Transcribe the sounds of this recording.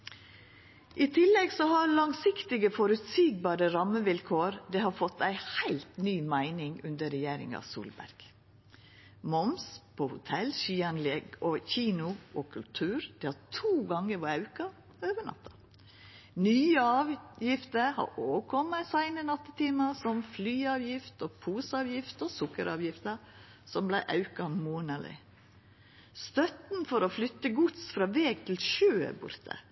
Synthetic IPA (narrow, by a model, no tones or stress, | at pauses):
ʔɪt̪ʰɪlɛɡsɔhɑɾlɑŋsɪkt̪ɪɡəfɔɾʉt̪siːɡ̚bɑːɾəɾɑməʋɪlkʰoːɾd̪eːhɑɾfɔt̪ːæɪhæɪlt̪nyːmæɪnɪŋʉnd̪əɾɛjeːɾɪ̰ŋɑ̰sṵːlbæ̰ɾɡ̥ | mɔmspʰoːhʊt̪ʰɛlʃyːɑnlɛɡoːçiːnʊʔoːkʰʉlt̪ʰʉːɾd̪̥ɛːhɑt̪ʰuːɡɑŋəɾʋɔɑʉkɑ | øːʋəɳɑ̰t̪ʰːɑ̥ | nyːəɑːʋjɪft̪əɾhɑ̰ʔoːʋəkʰɔmːəsæɪnənɑt̪ːət̪ʰiːmɑsɔmflyːɑːʋjɪft̪ɔpʰuːsɑːʋjɪft̪ɔsʊkːəɾɑːʋjɪft̪ə | sɔmblæɪʔɑʉkɑmoːnɑlɪ̰ | st̪œt̪n̩fɔɾoflʏt̪ːəɡʊt̪sfɾɑːʋeːɡ̚t̪ʰɪlʃø̰ːbʊ̰ɾt̪ʰə̰